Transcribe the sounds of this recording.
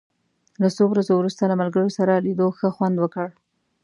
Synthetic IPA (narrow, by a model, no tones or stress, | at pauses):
lasowɾazowɾust̪alamalɡəɽosaɾalid̪oxəxwand̪wəkəɽ